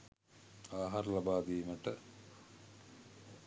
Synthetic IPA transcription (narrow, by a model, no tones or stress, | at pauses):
aːɦaɾəlabaːd̪iːməʈə